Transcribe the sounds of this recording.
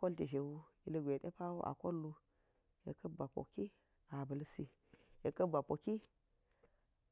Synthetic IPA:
ko˦lti˨ʒe˨wu˦i˦lə˦ɡʷe˨ɗḛ˦pa˦wu˦ʔa̰˨ko˦lːu˦ | je˨kɐ˦ba˨po̰˨ki˦ | a˨bə˨lsi˦ | je˨kə˦ba˨po˨ki˦

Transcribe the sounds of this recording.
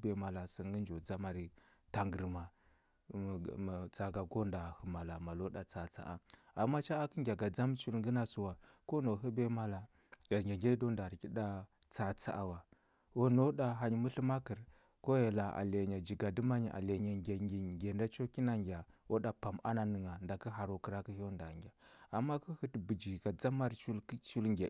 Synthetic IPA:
be˨ma˨la˨sə˨ŋ˦ɡə˦nd͡ʒo˨d͡za˦ma˨ɾi˨ta˨ŋɡə˨ɾma˨ | t͡sa˨ɡa˨ɡo˦nda˨hə˨ma˨la˨ma˨lo˦ɗa˨t͡sa˨t͡sa̰˦ʔa̰˨ | a˨mːa˦t͡ʃa˦a˦kə˦ŋɡʲa˨ɡa˨d͡za˦m˦t͡ʃu˦lŋɡə˦na˦su˦wa˨ | ko˦no˨ɦu˦be˦ma˦la˨ | a˨ɡʲa˨ŋɡe˦do˦nda˨ki˦ɗa˦ | t͡sa˨t͡sa̰˦ʔa˨wa˨ | wo˦no˦ɗa˨ɦa˨ɲ˦mu˦ɬə˦ma˦kə˨ɾ | ko˦ja˨la˨a̰˨le˨ɲa˨d͡ʒi˨ɡa˨di˦ma˦ɲ˨ʔa̰˨le˨ɲa˨ɡʲa˨ɡi˨ɡʲe˨nda˦t͡ʃo˦ki˦na˨ŋɡʲa˨wo˦ɗa˨pa˨ma̰˦na˨nə˨ŋa˨nda˨kə˦ɦa˨ɾo˨ki˦ɾa˦ki˦ho˦nda̰˨ŋɡʲa˨a˨mːa˦ku˦hi˦tbu˨d͡ʒi˨ɡa˨d͡za˦ma˦ɾt͡ʃu˦lkt͡ʃu˦lŋɡʲe˨

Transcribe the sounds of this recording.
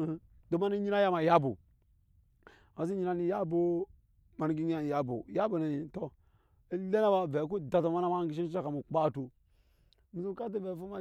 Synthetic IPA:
do˨ma˦ni˦ɲi˦a˦ja˦ma˨ja˦bu˨ | ma˨s̬i˦ɲi˦na˦ni˨ja˦bo˦ | ma˨ni˨˦ɡi˦a˦ni˨ja˦bṵ˨ja˦bo˨na˨ji˨to˦ | e˦le˦na˦ba˨ve˨˦k̬u˦da˨ta˨ma˦na˦ma˦ɡi˨˦ʃi˦a˦ka˨mu˨k͡pa˦tu˨ | mi˨zu˦ka˦t̬i˦ve˨fu˦ma˦

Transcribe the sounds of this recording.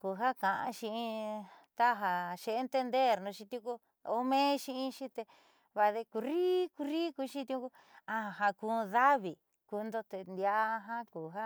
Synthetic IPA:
ku˨ɦa˦kã˨ʔã̰˧ʃĩ˧ĩ˧t̪a˦ɦa˧ʃe˧e˧nt̪e˧nd̪e˦˨ɾnũ˧ʃĩ˧t̪ũ˧˦ku˦ | o˧mẽ˦ʃĩ˧ĩ˧˦ʃĩ˦t̪e˧ | βa˧ðe˧ku˧ɾi˦ku˧ɾi˦ku˧ʃĩ˦t̪i˧ũ˧˦ku˧ | ã˧˨ɦa˧ku˧ða˦βi˨ | ku˧nd̪o˧t̪e˧nd̪ja˧˦˧ɦã˦ku˨ɦa˦

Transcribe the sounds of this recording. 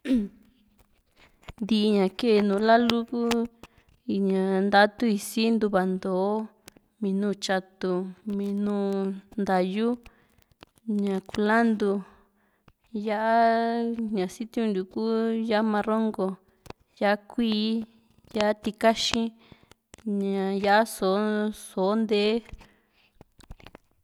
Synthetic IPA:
nd̪i˧ʔɲã˨ke˦˧nũː˨˦la˦lu˦ku˦˧˨ | ɲã˨nd̪a˦t̪u˦i˧si˦nd̪u˧βa˨nd̪oː˨˦ | mĩ˧nũː˧t͡ʃa˧t̪u˧mĩ˧nũː˦nd̪a˨ju˦ | ɲã˨ku˧la˦nd̪u˧ | ja˦ʔa˦ɲã˨si˦t̪i˦ũ˧nd̪u˨kuː˦ja˦ʔmã˧ro˦ŋɡo˧ | ja˦a˦kʷiː˦ | ja˦ʔa˦t̪i˧ka˦ʃĩ˦ | ɲã˨ja˦ʔa˦so˨˦so˨˦nd̪e˦

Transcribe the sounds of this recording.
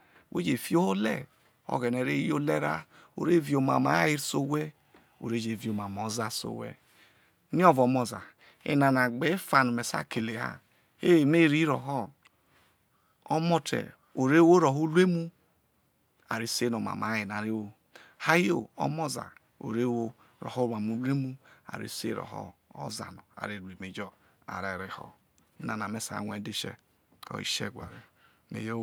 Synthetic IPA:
wʔḛ˦d͡ʒe˨fi˦o˦ho˦lɛ̰˦˨ | ɔ̰˨˦ɣɛ˨nɛ˨ɾe˦o˦lɛ˦ɾa̰˦o̰˨ɾe˦vi˨o˨ma̰˨ma˨˦ji˦so˦wɛ˦ | o̰˨ɾe˦d͡ʒe˨vi˨o˨ma˨m˨ɔ˨˦za˦so̰˨wɛ̰˦ | ni˦ɔ˦vɔ˨˦mɔ˨za̰˨ | ḛ˦na˨na˨ɡ͡be˨˦fa˨nu˨mɛ˨sa̰˦˨ke˨le˨ha̰˦˨ | e˦˨me˦˨ɾi˦ɾɔ̰˨ɦɔ˦˨ | ɔ˦mɔ˦˧tɛ̰˨ | o˨ɾe˦wo˦ɾo˨ɦo˦lu˦e˦mu˦ | a˨ɾi˦se˦no˨ma̰˨ma˨˦je˨n˨a˨ɾe˦wo˦ | ha˦jo˦˨ɔ̰˦mɔ˦za̰˨ | o̰˨ɾe˦wo˦ | ɾɔ̰˨ho˦a˨mu˦le˦mu˦a̰˨ɾḭ˦sḛ˦˨ɾɔ̰˨hɔ̰˦ɔ̰˦za̰˨nɔ˨a̰˨ɾe˨ɾe˨me˨d͡ʒɔ˦ | a̰˨ɾe˨ɾe˨hɔ̰˨˦ | na˨na˨me˨sa̰˨ŋʷ˨e˨˦de˦˨ʃɛ̰˦ | kɔ̰˨˦ḭ˦˨ʃḛ˦˨ɡʷa˨ɾe˨ | mḛ˨jo˦

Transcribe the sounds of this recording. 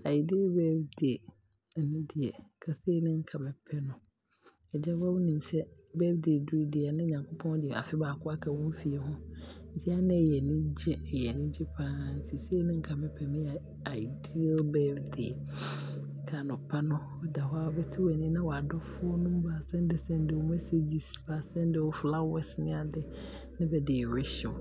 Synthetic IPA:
a˨jdi˦lbɛ˦bdi˨ɛ˨ | nʊ̃˦dɪ˨ɛ˨kʰa˨se˦nɪ̃˦ŋ̩˦kʰa˨mɪ̃˨pʰɛ˦nʊ̃˨ | ɛ˨d͡ʑɛ˦ba˦wʊ˦nĩ˨m˨sɛ˦ | bɛː˦bdi˨e˨du˦dɪ˨ɛ˨nʊ̃˦˨ɲã˨ŋkʰo˦pʰɔ̃˦dɪ˨ɛ˨a̰˨fɪ˦baː˨kʰʊ˦a˦kʰa˨wɔ̃˦m˦fi˨ɛ˨hʊ̃˦n̩˦tʰi˦a˦nɪ̃˦ɛ˨jɛ˨nʊ̃˦d͡ʑɛ˦ɛ˨jɛ˨nʊ̃˦d͡ʑɛ˦pʰãː˦n̩˦tʰɪ˨se˦nɪ̃˦ŋ̩˦kʰa˨mɪ̃˦pʰɛ˨nʊ̃˦jɛ˨ | a˨ɪ˨di˦lbɛ˦bde˨˦ | kʰa˨nʊ̃˨pʰa˦nʊ̃˦ | ɔ˦da˨ɦɔ˦a˦ɔ˦bɛ˦tʰɪ˦wɛ˨nĩ˦nã˦wɔ˨a˨dɔ˦fʊ˦ɔ˦nʊ̃˦m˦ba˨sɛ̃˦n˦dɪ˨sɛ̃˦n˦dɪ˨wɔ˨mɛ˦se˦d͡ʑi˨sba˨sɛ̃˦n˦dɪ˨wɔ˨fla˦wɛ˦snɪ̃˦a˨dɪ˦ | nɪ̃˦bɛ˨dɪ˨ɾɪ˦ʃɪ˨

